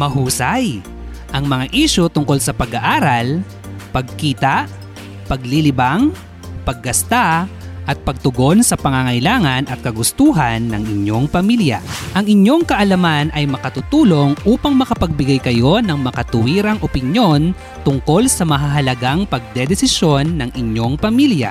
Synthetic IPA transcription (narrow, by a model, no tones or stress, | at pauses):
mɐɦuːsaj | ʔɐŋmɐŋaʔiʃut̪ʊŋko̞lsɐpɐɡɐʔaːɾɐl | pɐɡ̚kiːt̪aʔ | pɐɡlilɪbaŋ | pɐɡ̚ːɐst̪aʔɐt̪̚pɐɡ̚t̪ʊɡo̞nsɐpɐŋaŋɐjlaːŋɐnʔɐt̪̚kɐɡʊst̪uːɦɐnːɐŋʔɪɲːo̞ŋpɐmiljɐ̰ʔɐŋɪɲo̞ŋkɐʔɐlɐmanɐjmɐkɐt̪ut̪uːlo̞ŋʔuːpɐŋmɐkɐpɐɡ̚bɪɡajkɐjo̞nɐŋmɐkɐt̪ʊwiːɾɐŋʔopɪnjo̞n | t̪ʊŋko̞lsɐmɐɦaɦɐlɐɡaŋpɐɡ̚d̪ɛd̪ɛsɪsjo̞nːɐŋʔɪɲːo̞ŋpɐmiljɐ̰